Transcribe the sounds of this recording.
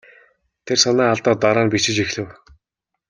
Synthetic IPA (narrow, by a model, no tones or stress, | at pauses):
t̪ʰersanæːaɮt̪ɔːt̪aɾaːnpit͡ɕɪ̆t͡ɕixɮɘ̆w